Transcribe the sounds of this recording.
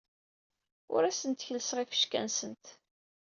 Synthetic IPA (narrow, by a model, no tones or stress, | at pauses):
ʊ̰ɾæsənt̪çələsʁifə̥ʃkæ̰nsənt̪